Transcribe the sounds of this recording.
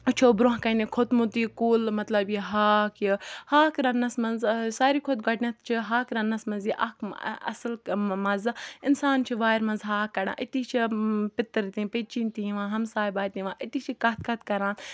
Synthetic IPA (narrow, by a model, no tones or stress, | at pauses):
t͡ʃʰoːbɾõɦkɐnikʰot̪mut̪iːkuːlmɐt̪lɐbjiɦaːkʰjihaːkɾɐnːɐsmɐnzsaːɾiːkʰot̪̚ɡɐʈnʲɐt̪ʰt͡ʃʰiɦaːkɾɐnːɐsmɐnziʔɐ̰kɐ̰slmɐzɪnsaːnt͡ʃʰiʋaːjɾmɐnzɦaːkːɐɽã̰ːʔit̪iːt͡ʃʰipɪt̪ːəɾt̪ĩːpeːt͡ʃiːnt̪ĩĩʋãːɦɐmsaːjbaːt̪ĩʋãːʔit̪it͡ʃʰikɐt̪̚kɐt̪̚kɐɾãːn